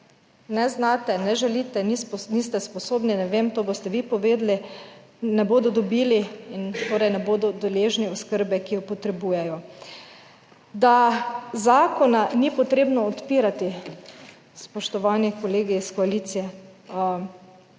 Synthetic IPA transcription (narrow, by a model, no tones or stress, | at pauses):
nɛznat̪ɛnɛʒɛlit̪ɛniniːst̪ɛspɔsoːbninɛʋemt̪oːbost̪ɛʋipɔʋeːd̪li | nɛboːd̪ɔd̪ɔbiːliint̪oːɾɛjnɛboːd̪ɔd̪ɛleːʒniɔskəɾbɛkijɔpɔt̪ɾɛbujɛjɔ | d̪azaːkɔnanipɔt̪ɾeːbnɔːt̪piːɾat̪i | spɔʃt̪ɔʋaːnikoleːɡiːskɔaliːt̪sijɛ